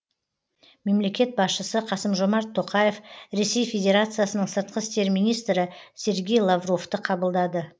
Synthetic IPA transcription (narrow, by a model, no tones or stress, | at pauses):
me̞mle̞kʲe̞t̪̚bɑsʃəsəqʰɑsəmʒo̞mɑɾt̪ʰːo̞qɑje̞fɾe̞se̞jfʲe̞dʲe̞ɾat̪sɨjasənəɴsəɾt̪̚qəst̪e̞ɾmijnijst̪ɾɪsʲe̞ɾɡʲe̞jlˠavro̞ft̪əqʰɑbəlˠd̪ɑd̪ə